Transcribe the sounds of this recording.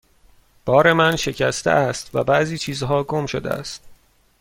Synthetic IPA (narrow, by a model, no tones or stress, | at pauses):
b̥ɒːɾe̞mænʃe̞cʰæst̪eʔæst̪væ̰bæʔziːt͡ʃʰiːzɦɒːɡomʃo̰d̪ḛæ̰st̪̚